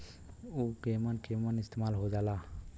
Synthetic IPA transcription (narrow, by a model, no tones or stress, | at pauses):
ukeːmankemanɪst̪eːmaːlɦod͡ʒaːlaː